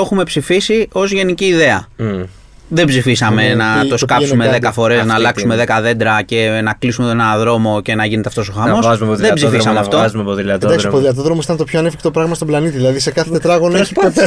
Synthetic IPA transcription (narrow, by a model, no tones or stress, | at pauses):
o̞xume̞psifisio̞zʝe̞niciːðe̞ɐ | ðe̞bzifisɐme̞nɐo̞skɐpsumeðe̞kɐfo̞ɾe̞znɐːlɐksume̞ðe̞kɐðe̞nd̪ɾɐce̞nɐklisume̞t̪onenɐðɾo̞mo̞ce̞nɐʝine̞t̪eft̪o̞soxɐmo̞sɐzumeoððebzifsɐmeɐftt̪ozumepoðilɐt̪d̪ɐksipoðilɐt̪̬oðɾomosit̪ɐnt̪opçoɐnefi̥kt̪o̞pɾɐɣmɐst̪oblɐnit̪iðilɐðise̞kɐθet̪et̪ɾɐɣonçi